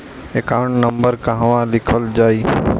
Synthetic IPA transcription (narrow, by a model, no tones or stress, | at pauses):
ekaːʊɳʈnəmbəɾkãɦʋãːlɪkʰəld͡ʒaːiː